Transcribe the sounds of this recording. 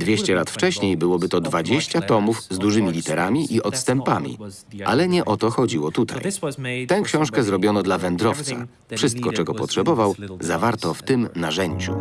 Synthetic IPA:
d̪vʲjeɕt͡ɕɛlat̪ft͡ʂɛɕɲejbɘwɔbɘt̪ɔd̪vad͡ʑeɕt͡ɕat̪ɔmuvzd̪uʐɘmʲilʲit̪ɛɾamʲiʔiʔɔt̪st̪ɛmpamʲḭ | ʔa̰lɛɲɛʔɔt̪ɔxɔd͡ʑiwɔt̪ut̪ʰa̰jt̪ɛ̃w̃kɕɔ̃w̃ʂkɛzɾɔbʲjɔnɔd̪lavɛnd̪ɾɔft̪sa̰ | fʂɘst̪̚kɔt͡ʂɛɡɔpɔtʂɛbɔvawzavaɾt̪ɔft̪ɘmnaʐɛɲd͡ʑṵ

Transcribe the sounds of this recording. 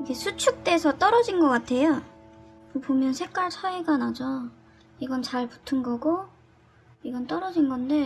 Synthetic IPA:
iɡe̞sʰut͡ɕʰuk̚t͈e̞sʰʌt͈ʌɾʌd͡ʑinɡʌk͈atʰe̞jo | kɯpomjʌnsʰe̞k͈aɭt͡ɕʰaiɡanad͡ʑo | iɡʌnt͡ɕaɭputʰɯnɡʌɡo | iɡʌnt͈ʌɾʌd͡ʑinɡʌnde̞

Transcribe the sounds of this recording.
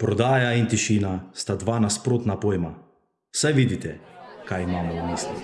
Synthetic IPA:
pɾɔd̪aːjaint̪iʃiːnast̪ad̪ʋanaspɾoːt̪napoːjma̰ | wsajʋid̪it̪ɛkajimaːmɔumiːslḭ

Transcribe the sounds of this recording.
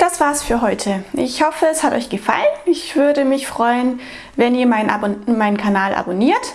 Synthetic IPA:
d̥asv̥aːɐsfyːɐɦɔʏtʰəʔɪçhɔfəɛshatɔ̰ʏçɡ̥əfa̰lənɪçv̥ʏɐdəmɪçfʁ̥ɔʏən | vɛniːɐmaɪnbmaɪnənkʰanaːlʔa̰boniːɐt

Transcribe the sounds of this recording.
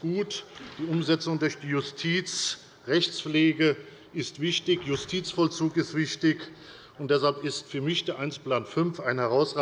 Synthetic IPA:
ɡ̥uːtd̥iːʊmzɛt͡sʊŋdʊɐçd̥iːjʊstʰiːt͡s | ʁɛçt͡sfleːɡə | ɪstv̥ɪçtɪçjʊstʰiːt͡sfɔlt͡suːkɪstv̥ɪçtɪç | ʊntd̥ɛsalpɪstfyːɐmɪçd̥eːɐʔaɪnsplaːnfʏnfaɪnhɛʁaʊsʁaː

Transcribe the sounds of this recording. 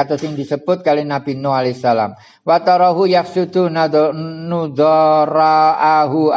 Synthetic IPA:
at̪ɔsɪŋd̪isəb̥ʊt̪̚kalenabinoalesala̰m | wat̪ɔɾɔɦujaksud̪̥unnud̪ɔɾaaɦu

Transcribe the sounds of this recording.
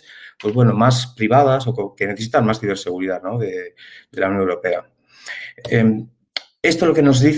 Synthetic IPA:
pwoe̞zβwe̞no̞maspɾiβað̞aso̞koke̞neθe̞sit̪anmasθiβe̞ɾse̞ɣ̞uɾiðaðno̞ðeðe̞lawno̞ŋewɾo̞pe̞a | em | est̪o̞lo̞ke̞no̞zðiθ

